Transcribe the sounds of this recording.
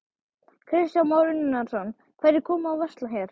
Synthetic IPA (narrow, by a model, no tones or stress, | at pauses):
kʰɾɪsjawmawɾɪnɪnasɔnː | kʰv̥ɛɾjɪkʰɔːmaːwvɛst̪laçjɛɾ̥